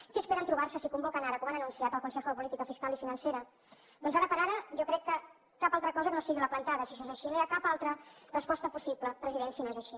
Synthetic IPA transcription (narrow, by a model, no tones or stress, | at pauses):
kiəspeɾənt̪ɾuβ̞arsəsikumbɔkənaɾəkɔmanənunsiat̪əlˠkunsɛxəðəpulit̪ikəfiskalifinənseɾə | d̪ɔnzaɾəpəɾaɾəʒɔkɾɛkːə | kapalˠt̪ɾəkɔzəkənosiɣiləplənt̪aðəsiʃoezəʃinojakapalˠt̪ɾərəspɔst̪əpusipləpɾəziðensinoezəʃi